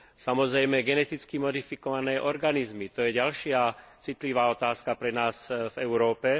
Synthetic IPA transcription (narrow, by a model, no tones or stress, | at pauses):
samɔzɾɛjmɛɡɛnɛt̪it͡skimɔd̪ifikɔʋanɛːʔɔɾɡanizmit̪ɔjɛɟalʃɪat͡sit̪liʋaːɔt̪aːskapɾɛnaːsvɛʊɾɔːpɛ